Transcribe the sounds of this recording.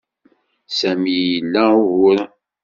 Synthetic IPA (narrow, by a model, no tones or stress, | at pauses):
sæmijjəlːæʊɣʊɾ